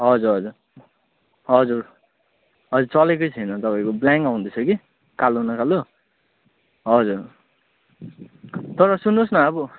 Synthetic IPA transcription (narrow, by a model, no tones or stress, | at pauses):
ɦʌd͡zuɾɦʌd͡zur | ɦʌd͡zur | ɦʌd͡zuɾt͡sʌlekʌjt͡sʰʌjnʌt̪ʌpaĩkoblaŋkaw̃ũnd̪ʌt͡sʰʌɡi | kalonʌkalo | ɦʌd͡zur | t̪ʌɾʌsunːosnʌːbʌ